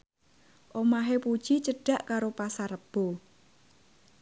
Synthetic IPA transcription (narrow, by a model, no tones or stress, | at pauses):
ʔomaɦepud̥ʒ̥it͡ʃəɖ̥a̤ʔkaɾopasaɾəb̥o